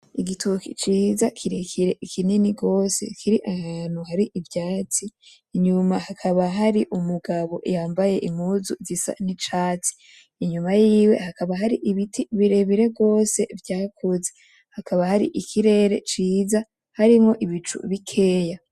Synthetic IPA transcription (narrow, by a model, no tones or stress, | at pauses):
iɡitʰukḭt͡ʃiːzakʰiɾekʰiɾe̞ʔikʰininiɡo̞ːse̞̰kʰiɾiʔahaːn̥huhaɾiʔivjaːt͡si | ɲumahakʰaβaɦaɾiʔumuɡaβo̞̰jaːmbaje̞ʔimuːzuzisa̰nit͡ʃaːt͡si̥ː | ɲumajiːwe̞̰hakaβaɦaɾiʔiβitʰiβiɾe̞βiɾe̞bɡo̞ːse̞vjaːkʰoze | hakʰaβahaɾḭʔikʰiɾe̞ɾe̞t͡ʃiːza | haɾimŋo̞ʔiβit͡ʃṵβikʰe̞ːja